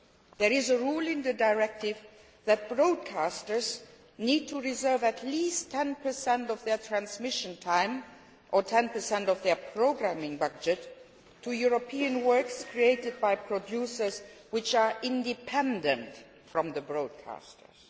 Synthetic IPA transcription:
ðəɹɪzəɹulˠɪ̃nðɨdaɪɹɛk̚tɪv | ðæt̚b̥ɹoʊd̚kʰastə˞z | niːd̚tʰuɹɪzɜ˞vætʰlistʰɛ̃npʰə˞sɛ̃ntɔvðə˞tʰɹ̥æ̃nsmɪʃə̃ntʰãɪ̃m | ʔətʰɛ̃npə˞sɛ̃ntɔvðə˞pʰɹ̥oʊɡɹæmɪ̃ŋbʌd͡ʒɨtʰː | ujuɹopʰiɨ̃nwɜ˞kskʰɹieɪtɨd̚baɪpʰɹ̥ɔdjusə˞z | wɪt͡ʃaɹɪ̃ndɪpʰɛ̃ndə̃nt | fɹɔ̃mðəbɹoʊd̚kʰa̰stʰə̰˞z

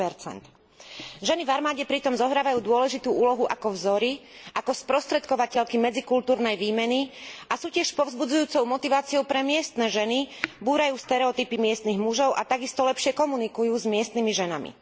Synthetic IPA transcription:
pɛɾt͡sɛ̰nt̪ | ʒɛnivaɾmaːɟɛpɾit̪ɔmzɔɦɾaːʋajuːd̪ʊɔlɛʒit̪uːuːlɔɦuʔakɔvzɔɾiʔakɔspɾɔst̪ɾɛt̪kɔʋacɛʎkimɛd͡zikult̪uːɾnɛjʋiːmɛniasuːcɪɛʃpɔvzbud͡zujuːt͡sɔʊmɔt̪iʋaːt͡siɔʊpɾɛmɪɛst̪nɛʒɛnibuːɾajuːst̪ɛɾɛɔt̪ipimɪɛst̪niɣmuʒɔʊʔat̪aɡist̪ɔlɛpʃɪɛkɔmunikujuːzmɪɛst̪nimiʒɛnamḭ

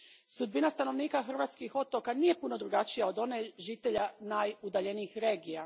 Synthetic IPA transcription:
sud̪̚binast̪ano̞ʋniːkaxr̩ʋat̪skixo̞t̪o̞kanije̞puno̞d̪ɾuɡat͡ʃijaod̪o̞neʒit̪e̞ʎanajud̪aʎe̞niixɾe̞ːɡija

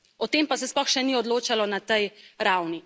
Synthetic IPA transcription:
ɔt̪eːmpasɛsplɔxʃɛniɔd̪loːt͡ʃalɔnat̪ɛjɾawni

